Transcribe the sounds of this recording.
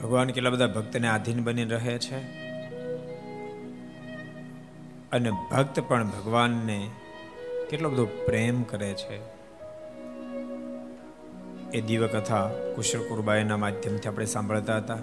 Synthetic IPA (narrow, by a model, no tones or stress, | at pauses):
bʱəɡʋankeʈlabəd̪ʱabʱək̚t̪nead̪ʱinbəniɾəɦet͡ʃʰe | ənebʱəkt̪pəɳbʱəɡʋanːe | keʈlobəd̪ʱõpɾemkəɾet͡ʃʰe | ed̪iʋəkət̪ʰakʊʃɾkuɾbajenamad̪ʱjəmt̪ʰiapɽ̃esãmbʱəɭt̪aɦət̪a